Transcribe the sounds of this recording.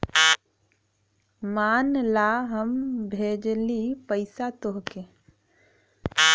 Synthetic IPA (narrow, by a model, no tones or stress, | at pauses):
maːnlaɦəmbʱed͡ʒlipəɪsat̪oɦke